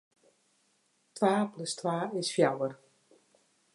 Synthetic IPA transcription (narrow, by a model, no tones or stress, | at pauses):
tʋaːpləstwaːɪsfjawər